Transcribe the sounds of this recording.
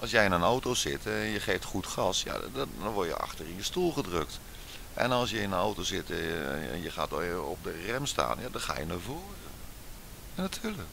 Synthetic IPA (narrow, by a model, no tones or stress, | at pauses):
ʔɑlˠsjɛjɪnənowtowsɪtɛnjəχeːftχutxɑsja̰dɔɔnʋɔɹjə̰ɑ̰xtərɪnjəstulˠɣədrøk̚t | ʔɛ̰nɑlˠsjəɪnənowtosɪtɛ̰njəxa̰ːtɔ̰p̚dərɛmsta̰ːnjadɔnxa̰ːjənavoːrə | natʰyːlək